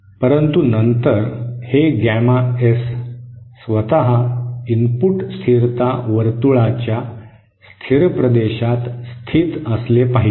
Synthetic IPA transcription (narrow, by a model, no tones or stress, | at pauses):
pəɾənt̪unənt̪əɾheɡæmaesː | ʋət̪aɦaimpuʈst̪ʰiɾt̪aʋəɾt̪uɭat͡ɕja | st̪ʰiɾpɾəd̪eɕat̪st̪ʰiːt̪əslepaɦi